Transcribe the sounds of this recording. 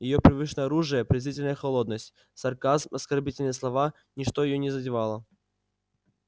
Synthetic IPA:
jɪjopɾʲɪvɨʂnəjɐɾuʐɨjəpɾʲɪzʲvʲitʲɪlʲnəjəxɐlˠod̪nəsʲtʲ | sɐrkazmɐskɐrbʲitʲɪlʲnɨjəslˠɐva | nʲɪʂt̪ojɪjonʲɪzədʲɪvalˠə

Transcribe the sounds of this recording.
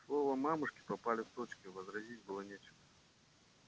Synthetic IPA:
slˠɔvɐmamɨʂkʲi̥papalʲɪwt̪ot͡ʃkʲivɐzɾazʲid͡zʲbɨlˠɔnʲet͡ʃɪɣɐ

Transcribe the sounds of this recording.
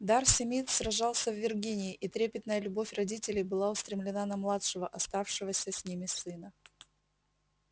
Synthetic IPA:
d̪arsʲɪmʲit̪srɐʐɑlˠsʲəvːʲɪrɡʲinʲɪɪʔit̪ɾʲepʲɪt̪nəjəlʲʊbofʲrɐdʲitʲɪlʲɪjbɨlˠaʊst̪ɾʲɪmlʲɪnanɐmlˠatʂɨvəʔɐst̪afʂɨvəsʲəsʲnʲimʲɪsːɨnə

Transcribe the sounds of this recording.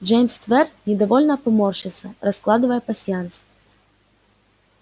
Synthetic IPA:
d͡ʒɛjmst̪vɛrnʲɪd̪ɐvɔlʲnɐpɐmɔrʂɨt̪sɐrɐsklˠad̪ɨvəjɛpɐsʲjant̪s

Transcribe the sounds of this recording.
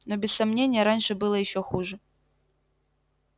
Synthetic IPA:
nobʲɪssːɐmnʲenʲɪjɐɾanʲʂɨbɨlˠɐjɪɕːoxuʐɨ

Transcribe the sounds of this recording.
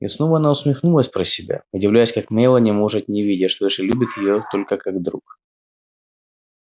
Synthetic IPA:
jɪ̰sno̞vəɐnaʊsmʲɪxnulˠəsʲpɾəsʲɪbʲa̰ʊdʲɪvlʲæjʊsʲkakmʲejlˠənʲɪmoʐɨt̪nʲɪvʲidʲɪʂt̪oɪʂɪlʲubʲɪt̪jɪjot̪o̞lʲkəkaɡd̪ɾuk

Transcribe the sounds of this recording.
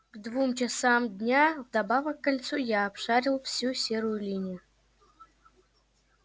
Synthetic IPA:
ɡ̥d̪vumt͡ɕɪsamd̪ʲnʲavd̪abavəkːalʲt̪sujaːpʂaɾʲɪlˠfsʲusʲeɾʊjʊlʲinʲijʊ

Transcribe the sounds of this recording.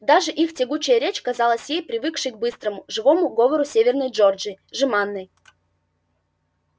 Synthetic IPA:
d̪aʐɨʔixtʲɪɡut͡ɕɪjəɾʲet͡ɕɐkɐzɑlˠəsʲjejpɾʲɪvɨkʂɨjɡ̚bɨst̪ɾəmʊʐɨvo̞mʊɡovəɾʊsʲevʲɪrnəjʐord͡ʒɪʐɨmanːɨj

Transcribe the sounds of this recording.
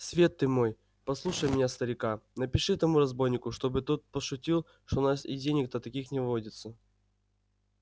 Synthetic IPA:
svʲe̞t̪ːɨmo̞j | pɐslˠuʂəjmʲɪnʲast̪əɾʲɪkanəpʲɪʂɨt̪ɐmuɾɐzbo̞jnʲɪkʊʂt̪o̞bɨt̪ot̪̚pəʂʊtʲilˠ | ʂt̪onasḭdʲenʲɪk̚d̪ət̪ɐkʲixnʲɪvvodʲɪt̪sə

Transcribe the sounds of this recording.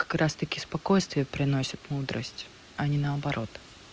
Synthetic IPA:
kɐ̥kɾast̪ɐkʲɪspɐkojst̪vʲɪjəpɾʲɪno̞sʲət̪mud̪ɾʔə̰sʲtʲ | ɐnʲɪnəɐbɐɾʔo̞t̪

